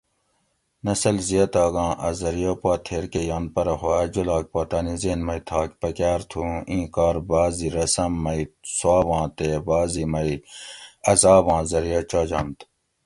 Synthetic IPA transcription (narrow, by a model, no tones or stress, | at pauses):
nɐsɐlzijɐt̪aːɡɑ̃ːʔɐzɐɾijoːpwaːt̪ʰeːɾkejaːn̚pɐɾɐhoɐd͡ʒulaːk̚paːt̪ɐːnizeːnmɐit̪ʰaːkpɐkaːɾt̪ʰũːĩːkaːɾbaːziɾɐsɐmːɐiswaːbãːt̪eːbaːzimɐi | ɐzaːbãːzɐɾijɐːt͡ʃaːd͡ʑã̰ːnt̪